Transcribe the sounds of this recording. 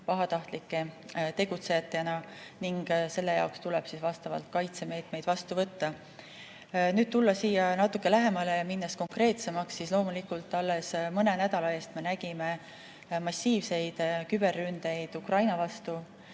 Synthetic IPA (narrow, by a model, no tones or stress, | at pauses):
pɑɦɑt̪ɑht̪likːe̞t̪e̞ɡ̥ut̪se̞jɑt̪ːˑenɑniŋɡ̥se̞lːe̞jɑ̰wkst̪ulɛb̥sisvɑst̪ɑvɑ̰lt̪̚kɑjt̪se̞me̞ːt̪me̞jd̪vɑst̪uvɤt̪ːɑ | nyːd̪̥̚t̪ulːɑsiːjɑnɑt̪ːˑukˑːe̞læɦe̞mɑle̞jɑminːɑsko̞ŋkre̞ːt̪se̞mɑksːislo̞ːmulikult̪ːˑɑlːe̞smɤne̞næd̪̥ɑlɑe̞ːst̪me̞næɡ̥ime̞ | mɑsʲːiːvse̞jd̪̥kyb̥e̞rːynd̪̥e̞jd̪̥ukrɑjnɑvɑst̪u